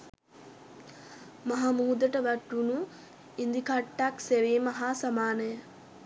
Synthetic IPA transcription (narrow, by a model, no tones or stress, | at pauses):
maɦamuːd̪əʈəʋæʈːunu | ind̪ikʰaʈːakseʋiːmaɦaːsamaːnəjə